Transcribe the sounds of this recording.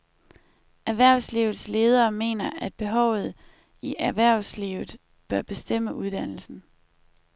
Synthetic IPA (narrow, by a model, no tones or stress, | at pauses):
æɐʋæɐ̰ʊsliʊð̞̩ˠsle̝ːð̞ˠɐːme̝̰ːnɐʔæd̥̚b̥e̝ɦɒʊð̞̩ˠ | iʔæʋæɐ̰ʊsliːʊð̩ˠ | b̥ɶɐb̥e̝sd̥em̰əʔuð̞ˠd̥æn̰l̩sn̩